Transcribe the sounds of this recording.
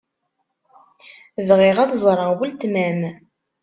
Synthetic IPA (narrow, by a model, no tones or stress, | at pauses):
vʁɪʁæðzˤɾˤəwəlt̪mæm